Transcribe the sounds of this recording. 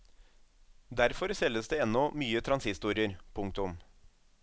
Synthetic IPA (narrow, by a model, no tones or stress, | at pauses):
d̪æɾfɔɾsɛlːəsd̪eːɛnːɔmyːət̪ʰɾɑnsɪst̪uːɾɪəɾpʰʊŋk̚t̪ʊm